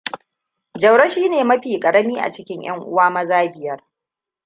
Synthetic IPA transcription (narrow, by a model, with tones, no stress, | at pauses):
d͡ʒɐ˨wɽɐ˦ʃiː˦neː˨mɐ˦ɸiː˨kʼɐ˨ɽɐ˦miː˦ʔa̰˨t͡ʃɪ˦kʲɪ˦ɲj̰ɐ̰˦ŋʔʊ̰˦waː˦mɐ˦zaː˦bɪ˨jɐ˦r